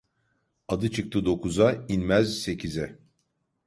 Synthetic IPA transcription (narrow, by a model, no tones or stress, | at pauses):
ad̪ɯt͡ʃʰɯk̚t̪ʰɯd̪o̞kuzainmæzse̞cʰizɛ